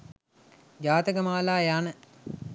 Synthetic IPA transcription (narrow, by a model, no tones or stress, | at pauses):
d͡ʒaːt̪əɡəmaːlaːjaːnə